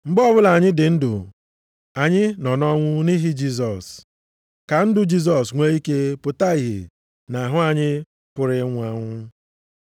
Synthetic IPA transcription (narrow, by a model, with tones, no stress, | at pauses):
ŋ͡m̩˨ɡ͡bɔ˦bʊ˦la˨ɲɪ˦dɪ˨n̩˦dʊ̰˨ | a˨ɲɪ˦nɔ˨nɔ˦ŋʷʊ˦ni˦ɦi˦d͡ʒi˦s̬ɔ˨s | ka˨n̩˦dʊ˨d͡ʒi˦s̬ɔ˨sŋʷe˦i˦ke˦pʊ˨ta˦i˨ɦḛ˨ | na˨ɦʊ˦a˨ɲɪ˦ | pʊ˨ɾɪ˦ŋʷa˦ŋʷʊ˦